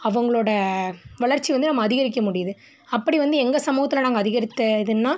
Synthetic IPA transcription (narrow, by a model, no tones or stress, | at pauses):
ɐʋɐŋɡɐɭoːɽɐʋɐɭɐɾt͡ʃːiʋɐnd̪ɯnɐmːɐːðɪɣɐɾɪk̬ːɐmʊɽɪjɐðɯ | ɐpːɐɽiʋɐnd̪ɯɛŋɡɐsɐmuːɣɐt̪ːɪlɐnaːŋɡɐːðɪɣɐɾɪt̪ːɐɪðɯnːaː